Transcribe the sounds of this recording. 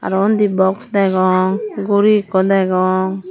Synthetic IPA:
a̰ɾɔnd̪ibɔksdajɡɔŋɡuɾikɔd̪ajɡɔŋ

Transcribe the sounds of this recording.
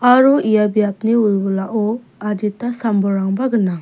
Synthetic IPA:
aɾuijabijap̚niujbɔlaʔɔ | aditːasambɔɾaŋbaɡɯna

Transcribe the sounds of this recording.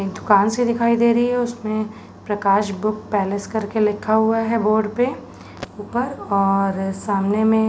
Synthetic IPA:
kd̪ʊkaːnsed̪ɪkʰaːid̪eːɾɐɦiɦɛʊsmẽ | pɾɐkaːʃbʊk̚pɛːleskɐɾkelɪkʰːaɦʊaɦɛboːɾɖpe | uːpəɾɔːɾsaːmnemẽ

